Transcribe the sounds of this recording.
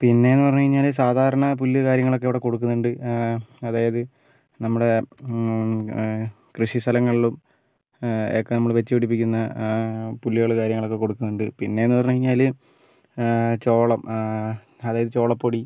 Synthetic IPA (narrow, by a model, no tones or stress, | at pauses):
pinːe̞enːɨpɐrɐɲːukɐɻiɲːaːls̬aːd̪ʱaːɾɐɳɐp̬ulːɐkaːɾjɐŋːɐɭo̞k̬ːeʋiɽeko̞ɽukːunːuɳɖɨ | ɐðaːjɐðɨ | nɐmːuɽe̞ | krɨʂist̪ʰɐlɐŋːɐɭiɭum | okːenɐmːɐɭʋet͡ɕːɨpiɽipːikʲːunːɐ | pulːjoːɭɐkaːɾjɐŋːɐɭo̞kːe̞koɽukːunːuɳɖɨpinːe̞enːɨpɐrɐɲukɐɻiɲːaːl | t͡ɕo̞ːɭɐm | ɐðaːjɐðɨt͡ɕo̞ːɭɐpːoːɽi